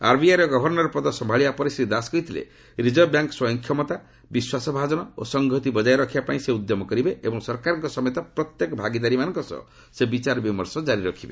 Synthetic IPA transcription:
a̰ɾbiaɾɔɡɔbʱɔɾnɔɾɔpɾɔd̪ɔsɔmbʱaɭibapɔɾisid̪askɔit̪ʰilḛ | ɾid͡ʒɔbjaŋkɔswɔjɔŋkʰjɔmɔt̪a | biswasɔbʱad͡ʒɔnɔo̰sɔŋɡʱɔt̪ibɔd͡ʒajɾɔkʰibapaĩseud̪jɔmɔkɔɾibeebɔŋsɔɾkaɾɔŋkɔsɔmɔjɔt̪apɾɔt̪jekɔbʱaɡid̪aɾimanɔŋkɔsɔ̰ | sebit͡ʃaɾbimɔɾsɔd͡ʒaɾiɾɔkʰibe

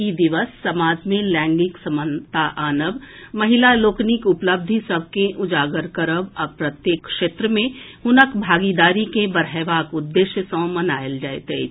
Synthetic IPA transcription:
id̪ɪʋəsːɐmaːd͡ʒmilɛ̃ːŋɡɪksɐmənt̪aʔaːnəʋmɐɦɪlaloːknɪkʊpləb̚d̪ʱisəb̚ʱkeʔʊd͡ʒaːɡəɾkəɾəʋɔɾpɾət̪jeːkkʃeːt̪ɾəmẽhʊnəkbʱaːɡid̪aːɾikebəɾɛʋaːkʊd̪ːeːʃjəsə̃ːmɐnaːjəld͡ʒaːet̪e

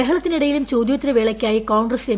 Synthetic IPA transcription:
eɦɐɭɐt̪ːiniɽɐjilumt͡ɕoːd̪jot̪ːɾɐʋeːɭɐkʲːaːjikoːɳɡrɐse

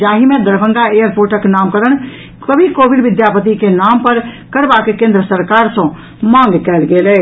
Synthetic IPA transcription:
d͡ʒaɦimẽd̪əɾbʱə̃ŋɡaejəɾpoɾʈəknamkəɾəñ | kəbʱikobiɖʋid̪japət̪̬ikenampəɾ | kəɾbakekẽːnd̪ɾəsəɾkaɾsə̃ | mãŋɡkɛːlɡelɛ

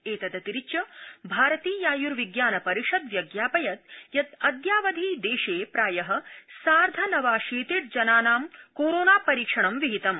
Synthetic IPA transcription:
eːt̪ɐd̪ɐt̪iɾit͡ʃɐbʱaːɾɐt̪iːjaːjuɾʋiɡjaːnɐpɐɾiʂɐd̪ʋjɐɡjaːpɐjɐt̪jɐt̪ɐd̪jaːʋɐd̪ʱiːd̪eːʂeːpɾaːjɐɦɐ̆saːɾd̪ʱɐnɐʋaːʃeːt̪iʈ̚d͡ʒɐnaːnaːmkoːɾoːnaːpɐɾiːkʂɐɳɐmʋiɦit̪ɐm

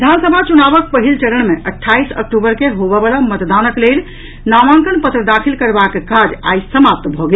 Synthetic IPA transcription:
d̪ʱaːnsəbʱat͡ʃunaːʋək̚pəɦilt͡ʃəɾəɳ̃mẽʔəʈʰːaːisə̰k̚ʈubəɾkeɦoʋəʋalamət̪d̪aːnəklel | namãŋkəɽ̃pət̪ɾəd̪akʰilkəɾbakkad͡ʒa̰ːisəmap̚t̪bʱɔɡe

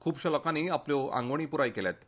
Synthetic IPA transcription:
kʰuːbɕələkaniːapljɔã̰ŋɡʋɳ̃iːpuɾajkeljat̪

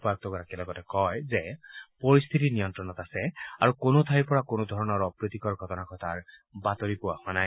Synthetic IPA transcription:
pak̚t̪ɔɡɔɾakɛlɔɡɔtɛkɔjzepɔɹist̪ʰit̪inijɔntɹɔnɔt̪asɛaɹukonot̪ʰajpɔɹakonod̪ʱɔɹɔnɔɹɔpɹit̪ikɔɹɡʱɔtɔnakʰɔt̪ʰaɹbat̪ɔɹipuwahwanaj

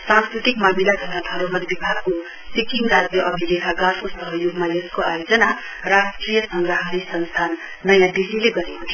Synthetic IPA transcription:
sãnskɾit̪ikmamilaɡʱʌɾnad̪ʱʌɾomʌt̪bibʱaɡko | sikiŋɡɾad͡zjʌʔʌbʱiɡekaɡaɾkosʌɦʌjoɡmajeskoajod͡zʌna | ɾaskɾijʌsʌŋɡɾʌɦaɾisʌnst̪ʰanː | ʌjãɖisileɡʌɾekut̪ʰ

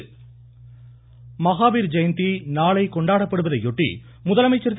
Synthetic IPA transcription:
mɐɣaːbiːɾd͡ʒɐjnt̪inaːɭɐɪkɔɳɖaːɽɐpːɐɽɯʋɐðɐɪɔʈːḭ | mʊðɐlɐmɐɪt͡ʃːɐɾt̪ː

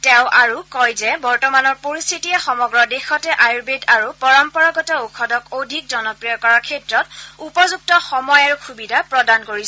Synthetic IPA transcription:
tɛʊ̃ʔaɹukɔjzɛbɔɹtɔmanɔɹpoɹistʰitiɛxɔmɔɡɹɔdexɔtɛʔajɹbedaɹupɔɹɔmpɔɹaɡɔtɔukʰɔdɔkodʱik̚zɔnɔpɹijɔkɔɹakʰɛtɹɔt̚upɔzuk̚tɔxɔmɔjaɹuxubidʱapɹɔdankoɹis

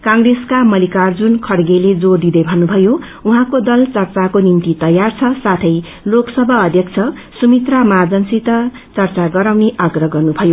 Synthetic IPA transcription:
kãŋɡreskamʌlikard͡zunkʰʌɽɡeled͡zord̪id̪ʌjbʱʌnːubʱʌjo | uɦãkod̪ʌlt͡sʌrt͡sakonimt̪it̪ʌjart͡sʰʌsat̪ʰʌj | loksʌbʱʌːd̪ʱjʌkt͡sʰʌ | sumit̪ramad͡zʌnsit̪ʌ | t͡sʌrt͡saɡʌɾawneʔʌɡrʌɡʌrnubʱʌjo

